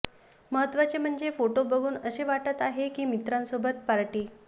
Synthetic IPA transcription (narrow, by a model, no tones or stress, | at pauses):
məɦət̪ʋat͡sem̤əɳd͡zefoʈobəɡʱuːnəɕeʋaʈət̪aɦekiːmit̪ɾãnsobət̪̚paɾʈiː